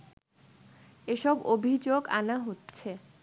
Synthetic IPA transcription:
eʃɔbobʱid͡ʑoɡanaɦotːɕʰe

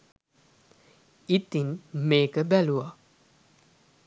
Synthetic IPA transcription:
it̪inmeːkəbæluʋa

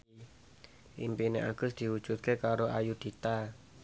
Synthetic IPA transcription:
ʔimpineʔaɡ̥ʊsd̪̥i̤wud̥ʒ̥ut̪̚kekaɾoʔajud̪̥it̪a

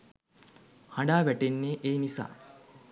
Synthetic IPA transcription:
haɳɖaːʋæʈenːeʔeːnisa̰ː

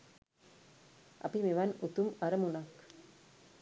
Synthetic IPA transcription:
ʔɐ̰pimeʋanut̪umɐɾɐmuɳak

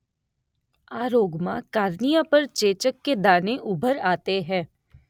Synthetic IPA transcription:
aːɾoːɡmãkaːɾnijãpɐɾt͡ʃeːt͡ʃəkːed̪aːneʔʊbʱəɾaːt̪eɦɛ̃ː

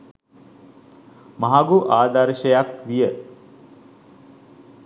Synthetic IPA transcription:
maɦaɡuʔaːd̪aɾʃəjakʋijə

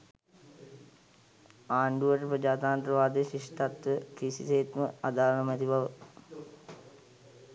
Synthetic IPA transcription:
aːɳɖuʋəʈəpɾəd͡ʒaːt̪aːnt̪ɾəʋaːd̪eʃiʂʈat̪ʋəkisḭseːt̪məad̪aːɾənəmæt̪ibaʋə

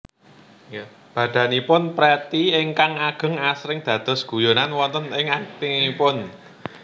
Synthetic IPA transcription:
ja | b̥ä̤d̪̥a̤nipʊnpɾɛt̪iɪŋkaŋaɡ̥ə̤ŋasɾɪŋd̪̥ä̤d̪̥ɔ̤sɡ̥ṳjonanwɔnt̪ənɪŋat̪iipʊn

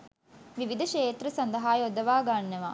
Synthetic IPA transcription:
ʋiʋid̪ɐʃeːt̪ɾɐsɐnd̪ɐɦaːjod̪ɐʋaːɡaːnːɐʋa̰ː

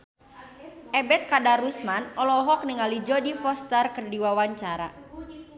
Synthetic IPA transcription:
ʔɛbɛt̪̚kadaɾusmanɔlɔɦɔk̚niŋalid͡ʒɔdifɔst̪ərkərdiwawaɲt͡ʃaɾa̰

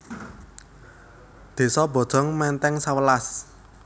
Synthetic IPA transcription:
d̪̥e̤sɔbɔ̤d̥ʒ̥ɔ̤ŋmɛnt̪ɛŋsawəlas

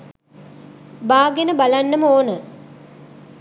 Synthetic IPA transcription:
baːɡenəbalanːəməoːnə

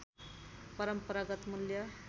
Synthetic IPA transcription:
pʌɾəmpəɾaɡʌt̪muljʌ

